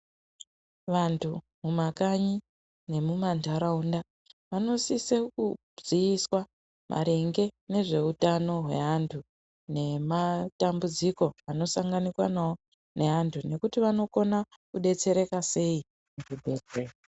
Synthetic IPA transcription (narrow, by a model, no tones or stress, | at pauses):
ʋantʰu | mumakaɲi | ne̞mumantaɾaunda | ʋano̞siseku | ziiswa | mʔa̰ɾe̞ŋɡe̞ne̞ʐe̞utano̞ɦwe̞̰ɦantʰu | ne̞matambud͡ziko̞ano̞saŋɡanikwa̰nawo | ne̞ɦantʰune̞kutiʋano̞ko̞na | kuɗe̞t͡se̞ɾe̞kase̞i | mutubʱed͡zeːa